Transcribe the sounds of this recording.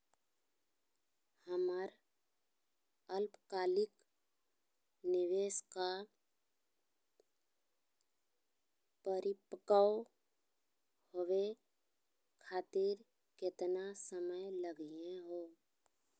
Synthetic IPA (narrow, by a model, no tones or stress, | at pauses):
həməɾ | əlpkaːlɪk | nɪʋeːska | pəɾɪpəkao | howe | kʰaːt̪ɪɾ | kɪt̪nasəməjləɡiẽɦoː